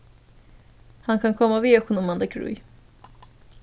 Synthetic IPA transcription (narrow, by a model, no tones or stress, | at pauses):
hankʰankʰɔmːaviɔkʊnɔmanlɛɡɾʉ̰j